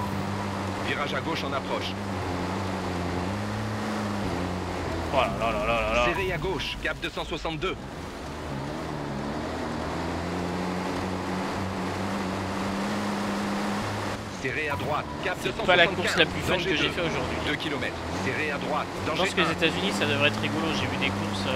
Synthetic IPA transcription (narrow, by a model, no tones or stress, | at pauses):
viʁaʒaɡoʃɑ̃napχɔʃ | alalalalaalsaeʁeaɡoʃkap̚d̪øsɑ̃swasɑ̃t̪̚d̪ø | seʁead̪ʁwat̪kapd̪øspalãkuʁslaplyfœnkəʒefɛoʒuʁd̪ɥid̪əkʲilɔmɛt̪χseʁead̪ʁwat̪d̪ɑ̃ɑ̃skəezet̪azynisad̪əvʁɛɛt̪χiɡoloʒevyd̪ekuʁs